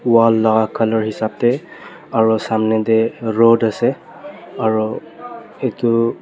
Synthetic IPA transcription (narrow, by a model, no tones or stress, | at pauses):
walːɔɡakʰalɔɹhisab̚tɛ | aɹusamnɛdɛɹodasɛ | aɹu | etʊ